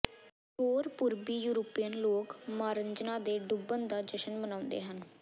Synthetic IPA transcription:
ɦoːɾpʊɾbiːjuːɾoːpijənloːkmaːɾəɲd͡ʒnãːd̪eːɖʊbənd̪aːd͡ʒəʃənbənãːʊ̃nd̪ḛːɦən

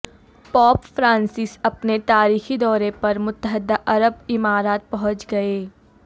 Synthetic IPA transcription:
pɔːpfɾãːnsɪsɐpnet̪aːɾiːxid̪ɔːɾepɐɾmʊt̪ːəɦəd̪aʔɐɾəbɪmaːɾaːt̪̚pɐɦʊ̃t͡ʃɡɐeː

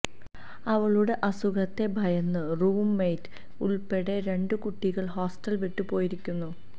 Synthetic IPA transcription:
ɐʋɐɭuɽe̞ʔɐsuɣɐt̪ːe̞bʱɐjɐnːɨruːmːe̞jt | uɭpe̞ɽe̞ɾe̞ɳɖɨkuʈːiɣɐɭɦo̞ːsʈɐlʋiʈːɨpo̞ːjiɾikʲːunːu

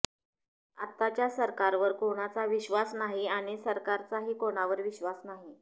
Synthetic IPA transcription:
at̪ːat͡ɕjasəɾkaɾʋəɾkoɽ̃at͡saʋiɕʋasnaɦiaɽ̃isəɾkaɾt͡saɦiːkoɽ̃aʋəɾʋiɕʋasnaɦi

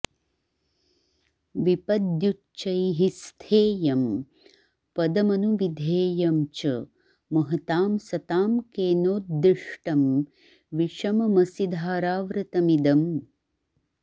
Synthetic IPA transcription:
ʋipɐd̪ju | t͡ʃɐjɦist̪ʰeːjɐm | pɐd̪ɐmɐnuʋid̪ʱeːjɐmt͡ʃɐ | mɐɦɐt̪aːmsɐt̪aːmkeːnoːt̪̚d̪ɾiʂʈɐm | ʋiʃɐmɐmɐsid̪ʱaːɾaːʋɾɐt̪ɐmid̪ɐm

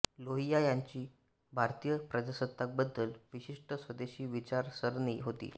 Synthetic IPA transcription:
loɦijajaɲt͡ɕiː | bʱaɾt̪ijəpɾədasəd̪ːak̚bəd̪ːəlʋiɕiʂʈəsʋəd̪eɕiːʋit͡ɕaɾsəɾɳiːɦot̪ḭː

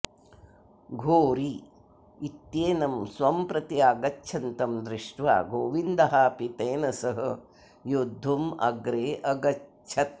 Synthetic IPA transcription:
ɡʱoːɾi | it̪jeːnɐmsʋɐmpɾɐt̪iaːɡɐt͡ʃʰɐnt̪ɐmd̪ɾiʂʈʋa̰ːɡoːʋind̪ɐɦaːpit̪eːnɐsɐɦɐ̆ | jod̪ʱːumɐ̰ɡɾeːʔɐɡɐ | t͡ʃʰɐt̪̚

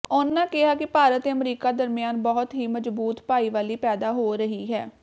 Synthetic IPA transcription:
ʊnːãːkɪɦaːkɪpaːɾət̪eːəmɾiːkaːd̪əɾmɪjaːnbɔːt̪ɦiːməd͡ʒbuːt̪paːiːʋaːliːpɛːd̪aːɦoːɾəɦiːɦɛː

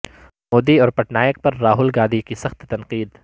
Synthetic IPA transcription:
moːd̪iɔːɾpɐʈnaːjək̚pɐɾːaːɦʊlɡaːd̪ikisɐxt̪ːɐnqiːd̪

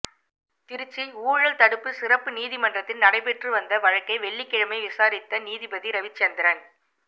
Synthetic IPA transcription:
t̪ɪɾɯt͡ʃːiuːɻɐlt̪ɐɽɯpːɯsɪrɐpːɯniːðɪmɐndrɐt̪ːɪnnɐɽɐɪpɛʈrɯʋɐnd̪ɐʋɐɻɐkːɐɪʋɛɭːɪkːɪɻɐmɐɪʋɪsaːɾɪt̪ːɐniːðɪbɐðiɾɐʋɪt͡ʃːɛnd̪ɪɾɐn

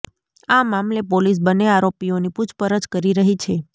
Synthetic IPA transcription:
amamlepolis̬bəneaɾopioniput͡ʃʰpəɾəd͡ʒkəɾiɾəɦit͡ʃʰe

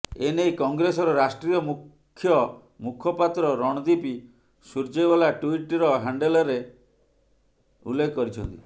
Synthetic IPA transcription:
enejkɔŋɡɾesɔɾɔɾasʈɾijɔmu | kʰːjɔ | mukʰɔpat̪ɾɔɾɔɽ̃ɔd̪ipi | suɾd͡ʒɔjbɔlaʈuiʈɾɔɦaɳɖelɔɾe | ṵlːekʰkːɔɾit͡ʃʰɔnt̪ḭ

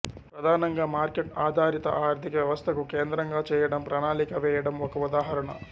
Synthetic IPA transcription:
pɾɐd̪ʱaːnɐŋɡɐmaːɾkeʈaːd̪ʱaːɾit̪ɐ̰ʔaːɐɾd̪ʱikɐʋjɐʋɐst̪ʰɐkukeːnd̪ɾɐŋɡat͡ʃɛːjɐɽɐmpɾaːɳaːlikɐʋɛːjɐɽɐmɔkɐud̪aːɦɐɾɐɳɐ̰

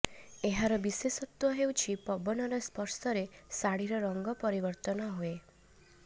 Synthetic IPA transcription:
eɦaɾɔbisesɔt̪wɔɦewt͡ʃʰipɔbɔnɔɾɔspɔɾsɔɾesaɽiɾɔɾɔŋɡɔpɔɾibɔɾt̪ɔnɔɦue

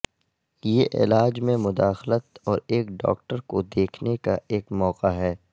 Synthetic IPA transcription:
jeʔɪ̰laːd͡ʒmẽmʊd̪aːxlət̪ɔːɾeːkɖɔ̰ːkʈəɾkod̪eːkʰnekaʔeːkmɔːqaɦɛː

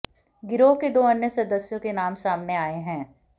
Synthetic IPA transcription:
ɡɪɾoːɦked̪oːɐnjəsɐd̪əsjõkenaːmsaːmneaːeɦɛ̃ː

